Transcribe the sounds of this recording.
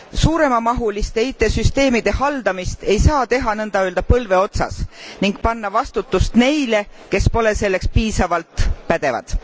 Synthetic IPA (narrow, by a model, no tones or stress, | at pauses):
suːɾe̞mɑmɑɦulist̪e̞it̪ːˑe̞syst̪e̞ːmid̪̥e̞hɑld̪̥ɑmist̪e̞jsɑːt̪e̞ɦɑnɤnd̪̥ɑøːld̪̥ɑpɤlve̞o̞t̪sɑ̰sniŋɡ̚pɑnːɑvɑst̪ut̪ːust̪ne̞jle̞ke̞spo̞le̞se̞lːe̞kspiːsɑvɑlt̪pæd̪̥e̞vɑ̰d̪̥